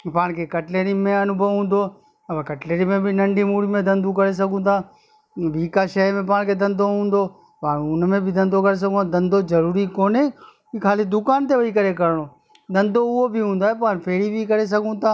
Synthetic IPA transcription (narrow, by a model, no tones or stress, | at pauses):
paːɽ̃kʰekɐʈleːɾimẽɐnʊbʱəʋɦũːn̆d̪oː | ɐbekɐʈleːɾimẽbɪnɐ̃ɳɖimuːɽimẽd̪ɐ̃nd̪ũkɐɾes̬ɐɡʱũːt̪ʰaː | ʋiːkaʃɐmẽp̬aːɽ̃kʰed̪ɐ̃nd̪ʱoɦũːnd̪oː | paːɽ̃ʊnmẽbʱɪd̪ɐ̃nd̪ʱokɐɾes̬ɐɡʱũt̪ʰad̪ɐ̃nd̪ʱozɐɾuːɾikoːne | ikʰaːlid̪ʊkaːnt̪eʋɐikɐɾekɐɾɽ̃oː | d̪ɐ̃nd̪ʱoʊɦobɪɦũːn̆d̪oaːɦepaːɽ̃pʰeːɽibʱikɐɾes̬ɐɡʱũt̪ʰaː